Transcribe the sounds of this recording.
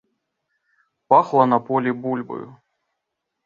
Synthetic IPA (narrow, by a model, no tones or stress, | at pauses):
paxlˠɐnɐpɔlʲibulʲbɐ̰jṵ